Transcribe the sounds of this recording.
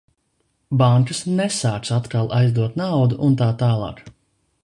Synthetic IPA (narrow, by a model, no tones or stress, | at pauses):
baŋkɨsnɛsaːk̪sat̪kalˠa̰jzd̪uɔt̪nawd̪uʔunt̪aːt̪aːlˠɑ̰ːk